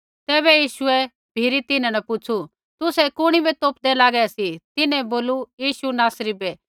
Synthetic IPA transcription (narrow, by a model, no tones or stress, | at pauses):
t̪ɛːβɛjiːʃʊɛ | bʱiːɾit̪ɪnãnɐpʊt͡ʃʰu | t̪ʊsɛkʊɽ̃ibit̪oːpd̪ɛlaːɡɛsit̪ɪnɛ̃boːlujiːʃunaːsɾibɛː